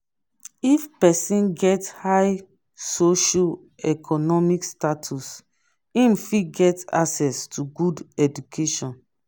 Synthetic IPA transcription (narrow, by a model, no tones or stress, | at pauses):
ifpɛsĩnɡɛthaj | soʃɔ | ɛkʰɔnɔmikstatʰus | ĩmfiɡɛta̰sɛstʰuɡudɛdukʰeʃɔ̃n